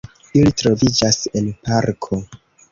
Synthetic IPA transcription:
ilitɾo̞vid͡ʒase̞npaɾkʰo̞

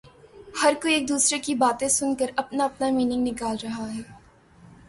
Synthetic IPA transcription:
hɐɾkoieːk̚d̪uːsɾekibaːt̪ẽsʊnkəɾɐpnaɐpnamiːnɪ̃ŋɡnɪkaːlɾɐɦaɦɛː

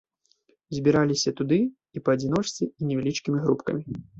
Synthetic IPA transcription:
zʲbʲiɾalʲisʲɐt̪ud̪ɨ | ipɐɐd͡zʲin̪ɔʂtt͡sʲiinʲɛvʲɛlʲit͡ʂkʲimʲiɣɾupkɐ̰mʲi

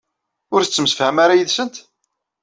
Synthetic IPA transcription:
ʊɾθət͡sːəmsə̥fhæmaɾajəðsənt̪

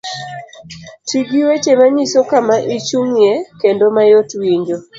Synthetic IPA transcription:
tʰiɡiwet͡ʃemaɲisokamaʔit͡ʃuŋjekendomajotwiɲd͡ʒo

